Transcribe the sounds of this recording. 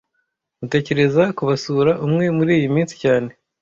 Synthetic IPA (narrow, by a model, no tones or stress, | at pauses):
mute̞ːce̞ɾe̞zakuβasuɾaʔumŋe̞muɾiːjimiːnsi̥caːne̞